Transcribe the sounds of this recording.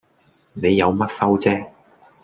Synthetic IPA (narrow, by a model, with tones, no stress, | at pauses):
ne˨˧jːɐ˨˧wmɐ˥t̚sɐ˥wt͡sɛː˥